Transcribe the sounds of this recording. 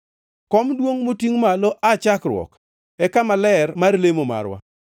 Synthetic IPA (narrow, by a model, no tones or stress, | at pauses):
kɔmdwoŋmotiŋmalɔʔat͡ʃakɾwɔ̰k | ɛkamalɛrmarlemoma̰ɾwa̰